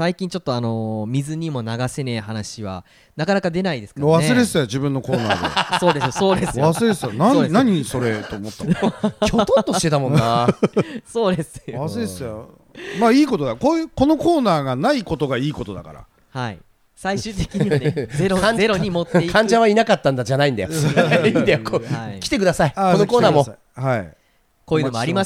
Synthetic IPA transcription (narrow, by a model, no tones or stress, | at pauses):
saikʲĩɲ̟t͡ɕo̞t̪ːoano̞mʲizɨɲ̟imo̞naɡasenehanaɕiβa̰ | nakanakad̪e̞naid̪e̞sɨ̥kaaβaesɨɾesɨjad͡ʑibɯ̟̃nːo̞ko̞ːna̰ːd̪̰so̞ːd̪e̞sɨoso̞ːd̪esɨjoasɨɾesɨjonãenaɲ̟isoɾet̪o̞mot̪ːakot̪ot̪ːoi̥t̪e̞t̪amonːa | so̞ːd̪e̞sɨ̥βasɨɾeesja | maiːko̞t̪o̞d̪akoːjɯko̞no̞ko̞ːnaːɡanaiko̞t̪oɡaiːko̞t̪o̞d̪aka̰ɾa̰ | haḭ | saiɕɨːt̪ekʲiɲ̟ianeɾokãɲzeɾoɲimot̪ekʰãɲ̟d͡ʑaβainakat̪ːãnd̪ad͡ʑanaĩnd̪ajoind̪ajokoakʲi̥t̪e̞k̬ɯ̟d̪asaiakonokoːnaːmo̞ | haḭ | koːjɯnomoaɾʲima